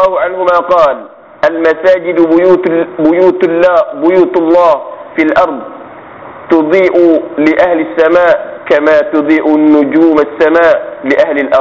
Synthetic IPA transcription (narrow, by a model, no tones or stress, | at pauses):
aːhʕanhʊmaqɑːl | ʔalmasaːd͡ʒɪd̪uːbʊjuːt̪lːbʊjuːt̪lˤːɑːhfilʔɑɾˤd̪ˤ | t̪ʊd̪ˤiːʔlɪʔahlasːamaːʔkamaːt̪ʊd̪ˤiːʔʊnːʊd͡ʒuːmasːamaːʔlɪʔahlɪlʔɑɾˤ